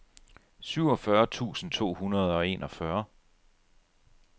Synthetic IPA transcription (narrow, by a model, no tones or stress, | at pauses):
syʊ̰ɒ̽fɶɐt͡sʰṵːsn̩t͡sʰo̝̰ːhunɐð̞̩ˠɒ̽e̝̰ːnʔɒ̽fɶɐ